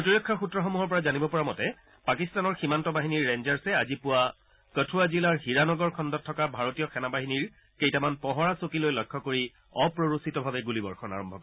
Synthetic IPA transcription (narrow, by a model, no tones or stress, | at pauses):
otiɹɔkʰːɔxutɹɔxomuɦɔɹp̬ɔɹazanibɔpɔɹamɔtɛ | pakistanɔɹximantɔbaɦiniɹːenzaɹsɛazipʊwa | kətʰuazilaɹhiɹanɔɡɔɹkʰɔndɔtʰːɔkabʱaɹotijɔxʰɛnabaɦiniɹ | kejtamanpɔɦɔɹasokilojlɔjkʰːɔkoɹi | ɔpɹoɹositɔbʱabɛɡulibɔɹxɔna̰ɹɔmbʱɔkɔ